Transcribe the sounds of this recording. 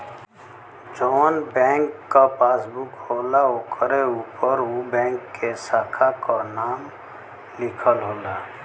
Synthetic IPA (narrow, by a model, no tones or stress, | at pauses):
d͡ʒɔːnbɛ̃ːŋkːapaːsbukhoːlaoːkʰəɾeuːpəɾubɛ̃ːŋkːesaːkʰakanaːm | lɪkʰəlɦoːlaː